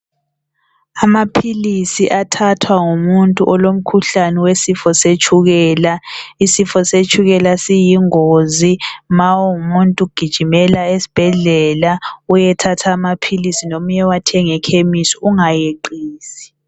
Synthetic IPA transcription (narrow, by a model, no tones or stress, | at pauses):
amapʰilisiʔatʰatʰwaŋumuntʼuʔɔlom̩kʰuɬanɛwesifɔset͡ʃʰʼuɣɛːlaisifɔset͡ʃʰʼuɣɛlasijiŋozimawoumuntʼuɡ̥ʱid̥ʒ̥ʱimɛlaesi̥b̥ʱɛɮɛlaujɛtʰatʰaːmapʰilisinomuɲɛwatʰɛŋɛkʰemisɔ̥uŋajeǃiːsi̥